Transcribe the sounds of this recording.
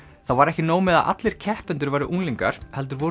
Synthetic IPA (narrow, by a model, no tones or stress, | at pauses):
θawvaɾɛhcɪnoːwmɛða̰ʔa̰t̪lɪɾ̥cʰɛhpʏnt̪ʏɾvaːɾɪʔuŋliŋka̰ɾ̥hɛlt̪̬ʏɾvoː